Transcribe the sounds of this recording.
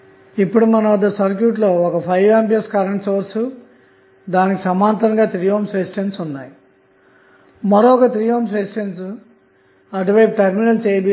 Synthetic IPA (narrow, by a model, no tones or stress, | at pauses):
ipːuɽumɐnɐʋɐd̪ːɐsɐɾk̬juːʈlo̞ːɔkɐpʰɐjʋaːmpijɐskɐɾɐɳʈsoːɾsu | d̪aːnikisɐmaːnt̪ɐɾɐŋɡaːt̪ɾijoːmsesʈensunːa̰ːji | mɐɾoːɔkɐt̪ɾijoːms̬esʈens | ɐɖuʋɐjp̚ʈɐɾminɐlseːbi